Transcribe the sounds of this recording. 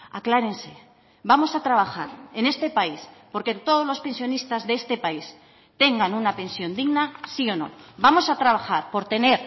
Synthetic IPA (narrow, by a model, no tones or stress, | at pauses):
a̰klaɾe̞nse̞ | bamo̞sat̪ɾaβ̞axaɾe̞ne̞st̪e̞paispo̞ɾke̞t̪o̞ð̞o̞zlo̞spe̞nsjo̞nist̪azðeest̪e̞pais | t̪e̞ŋɡanunape̞nsjo̞nd̪iɣnasio̞no̞̰bamo̞sat̪ɾaβ̞axaɾpo̞ɾt̪e̞ne̞ɾ